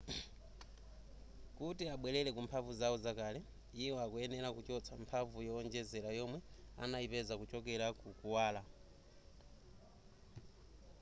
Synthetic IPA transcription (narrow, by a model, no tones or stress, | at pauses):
kutiaɓwɛlɛlɛkumpʰavuzaɔzakalɛ | iwɔakuɛnɛlakut͡ʃɔt͡sʰampʰavujɔɔnd͡ʒɛzɛlajɔmwɛa̰naipɛzakut͡ʃɔk̬ɛɾakukuwaːla